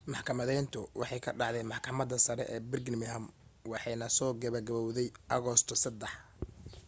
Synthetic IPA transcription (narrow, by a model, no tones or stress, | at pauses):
mɑħkʰɐmɐðɛjnt̪ʰʊwʔɑ̰ħɑjkʰɐ̰ɖɑʕd̪ɛjmɑħkʰɐmɐd̪ɐsɐɾɛ̰ʔɛːbɪrɡnmɪɦɐmwɑħɑjnɐsɔːɡɐβɐɡɐβɔwðɛjʔɐɣɔst̪ʰɔsɐd̪ɛħ